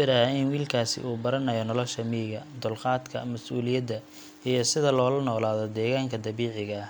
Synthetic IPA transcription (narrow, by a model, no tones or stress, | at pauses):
ɪɾaɪnwiːlkʰaːsɪ̰ʔuːbɐɾɐnɐjɔnɔlɔʃɐmiːɣɐd̪ʊlqɑːd̪kʰɐ̰mɐsʔuːlɪjɐd̪ːɐ | ijɞsɪðɐlɔːlɐnɔːlaːðɔd̪ɛːɣaːŋkʰɐd̪ɐβiːʕɪɣɐ